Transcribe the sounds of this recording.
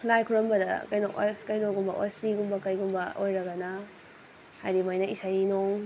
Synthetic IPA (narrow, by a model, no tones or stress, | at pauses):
lajkʰuɾɐmbɐdɐkɐjnokskɐjnoɡumbɐʔostiɡumbɐkɐjɡumbɐʔojɾɐɡɐna | hajɾimajnɐisajinoŋ